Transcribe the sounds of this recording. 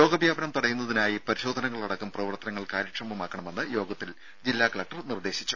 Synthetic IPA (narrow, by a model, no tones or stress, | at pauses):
jo̞ːɡɐbjaːbɐnɐmt̪uɽɐjunːɐðinaːjipɐɾiɕo̞ːd̪ʱɐnɐŋːɐɭɐɽɐkːumprɐʋɐrt̪ɐnɐŋːɐɭkaːɾɐkʂɐmbɐmaːkːɐɳɐme̞nːɨjo̞ːɡɐt̪ːil | d͡ʑilːaːkɐɭɐk̚ʈɐrnird̪e̞ːɕi̥t͡ɕːu̥